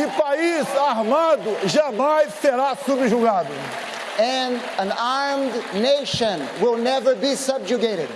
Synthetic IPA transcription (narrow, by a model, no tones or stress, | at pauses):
ɪpaisaɦmad̪uʒamajseɾasubɪʒuɡad̪u | ɛ̃n | ə̃naɹmdneɪʃə̃nwɪlˠnɛvə˞bisʌb̚d͡ʒuɡeɪɾɪd̥